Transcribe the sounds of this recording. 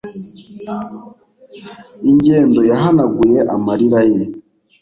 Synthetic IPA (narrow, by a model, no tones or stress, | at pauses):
iɲɟeːndo̞jaɦanaɡujeʔamaɾiɾaji